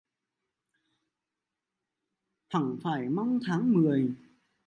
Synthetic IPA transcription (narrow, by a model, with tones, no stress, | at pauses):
t̪ʰa˧˩ŋfaː˧˩jma˧wŋ͡mt̪ʰaː˨˦ŋmɨ˨˩əj